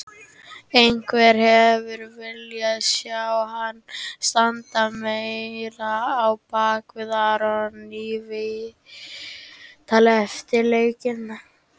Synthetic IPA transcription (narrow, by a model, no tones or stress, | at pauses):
ejŋkʰvɛɾ̥hɛvʏɾvɪljasjawhanːst̪ant̪amejɾaːwpaːkvɪðaːɾɔnivɪ | t̪ʰaːlɛft̪ɪɾleːjcɪnːa